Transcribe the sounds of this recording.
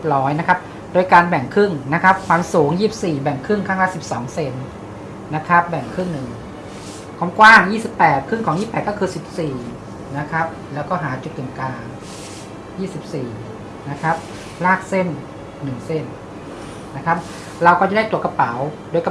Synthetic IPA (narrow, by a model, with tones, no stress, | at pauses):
ɾɔː˦˥jna˦˥kʰa˦˥p̚ | doː˧jkaː˧nbɛ˨˩ŋkʰɯ˥˩ŋna˦˥kʰa˦˥p̚kʰwaː˧msuː˩˦ŋjiː˥˩˨p̚siː˨˩bɛ˨˩ŋkʰɯ˥˩ŋkʰaː˥˩ŋlaː˥˩si˨˩p̚sɔː˩˦ŋse˧n | na˦˥kʰa˦˥p̚bɛ˨˩ŋkʰɯ˥˩ŋnɯ˨˩ŋ | kʰaː˧˥˩mkwaː˥˩ŋjiː˥˩si˨˩pːɛː˨˩t̪̚kʰɯ˥˩ŋkʰɔː˩˦jiː˥˩pɛː˨˩t̪̚kɔː˥˩kʰɯː˧si˨˩p̚siː˨˩ | na˦˥kʰɾa˦˥p̚lɛː˦˥wkɔː˥˩ɦaː˩˦t͡ɕu˨˩t̪̚ːɯ˨˩mkaː˧ŋ | jiː˥˩si˨˩p̚siː˨˩ | na˦˥kʰa˦˥p̚ | laː˥˩k̚se˥˩nː | ɯ˨˩ŋse˥˩n | na˦˥kʰa˦˥p̚ | ɾa˧wkɔː˥˩a˨˦da˥˩jt̪u˨˩əka˧pa˩˦wdoː˧jk